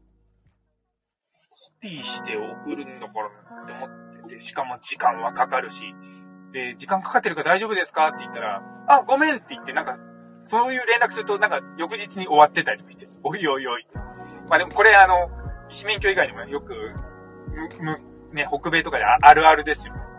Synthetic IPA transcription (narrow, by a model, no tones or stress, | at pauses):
kʰopʲiːɕi̥t̪e̞okɯ̟ɾɯ̟nd̪okoɾont̪ːeomot̪ːet̪ːeɕi̥kamo̞d͡ʑikãɰ̃βakakaɾɯ̟ɕid̪̥e̞d͡ʑikãŋkḁkat̪ːe̞ɾɯ̟kad̪aiʑo̞bɯ̟d̪e̞sɨ̥kat̪ːe̞it̪ːaɾaaɡo̞mẽ̞nt̪ːe̞it̪ːe̞nãŋka | so̞ːjɯ̟ːɾẽ̞nɾakɯ̟sɨɾɯ̟t̪o̞nãŋkajo̞kɯ̟ʑit͡sɨɲ̟io̞βat̪ːe̞t̪aɾit̪o̥kḁɕi̥t̪eoio̞io̞it̪ːemaːd̪e̞mo̞ko̞ɾe̞ano̞iɕimẽ̞ŋkʲo̞iɡaiɲ̟imojo̞kɯ̟ | mɯ̟mɯ̟ | ne̞ho̞kɯ̟be̞ːt̪o̞kad̪eaʔaɾɯ̟aɾɯ̟d̪e̞sɨjo̞